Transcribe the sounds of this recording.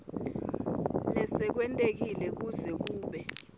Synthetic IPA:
lɛsɛk̬wɛntʼek̬ilɛk̬uzɛk̬uːɓɛ

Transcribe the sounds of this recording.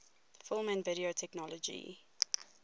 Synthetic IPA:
fɪlˠmæ̃nvɪɾiotʰɛknɔlɔd͡ʒḭ

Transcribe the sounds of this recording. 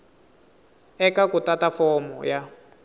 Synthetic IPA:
ɛkakutatafɔmɔ̰ja

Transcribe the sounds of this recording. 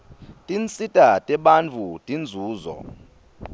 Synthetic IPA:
tʼint͡sʼitʼatʼɛɓant͡fʰutʼind͡zʱuːzɔ̰

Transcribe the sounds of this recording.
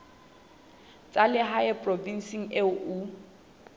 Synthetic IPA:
t͡sʼalɪɦaɛpʼrɔvin̩siŋ̩eʔu

